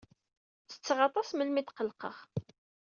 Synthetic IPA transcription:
t͡sːə̥t͡sːʁɑt̪ˤɑsməlmid̪qəlqə̰χ

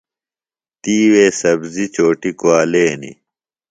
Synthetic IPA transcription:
t̪iːweːsɐbzit͡ɕoːʈikuaːleːnḭ

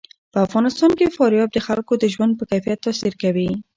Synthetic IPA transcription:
pəafɣɑnɪst̪ɑnkefɑɾjɑb̚d̪əxalkod̪əʒwand̪̚pəkajfijat̪ːɑsiɾkawi

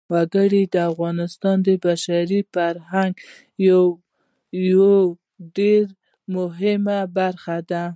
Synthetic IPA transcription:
waɡəɽid̪əafɣɑnɪst̪ɑnd̪əbaʃaɾifaɾɦaŋɡ | jaw | jwo | ɖeɾ | mʊɦɪmabaɾxad̪a

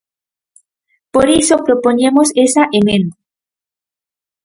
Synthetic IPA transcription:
poɾisopɾopoɲẽmosesaʔemẽnd̪a

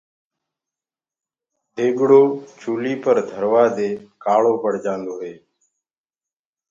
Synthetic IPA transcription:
d̪eːɡɽoːt͡ʃʰuːliːpəɾd̪ʱəɾʋaːd̪eːkaːɭoːpəɽ̤d͡ʒãːnd̪oːɦeː

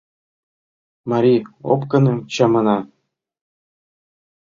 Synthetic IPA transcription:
mɑɾʲio̰pkɤ̆nɤ̆t͡ɕɑmɤ̆nɑ

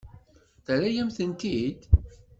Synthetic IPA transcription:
θəɾæjæmθənt̪id̪

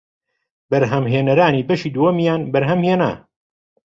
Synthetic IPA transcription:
bɐɾɦɐmɦeːnɐɾaːniːbɐʃiːd̪uɐmijaːnbɐɾɦɐmheːna̰

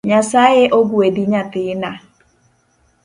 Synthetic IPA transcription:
ɲasajɛʔoɡuediɲat̪ɪna

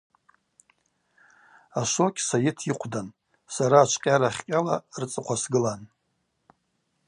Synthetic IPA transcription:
aʃʷo̞kʲʼsajɪtʰiqʷʰdan | saɾaːt͡ʃʷʰqʲʼaɾaχʲkʲʼalart͡sʼɨqʷʰasɡɨlan

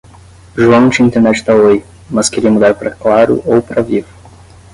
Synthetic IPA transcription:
ʒuɐ̃w̃d͡ʒɪĩnt̪eɾnɛt͡ʃɪ̥t̪aoj | mɐskeɾiɐmud̪aɾpɾɐklaɾʊ̰ʔowpɾɐvivʊ

